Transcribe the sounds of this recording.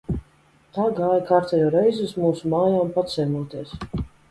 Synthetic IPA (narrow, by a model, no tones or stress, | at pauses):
t̪aːɡaːjakaɾt̪ɛjɔːɾɛjzɨsmuːsumaːjaːmpat̪sɛjmuɔt̪iɛs